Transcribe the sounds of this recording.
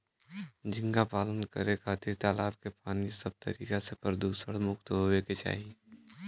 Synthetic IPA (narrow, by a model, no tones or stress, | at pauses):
d͡ʒɪ̃ŋɡapaːlənkə̰ɾekʰaːt̪iɾt̪aːlaːbkepaːnisəb̚t̪ə̰ɾḭːkasepəɾd̪uːsəɽmʊkt̪ɦoeket͡ʃa̰ːɦi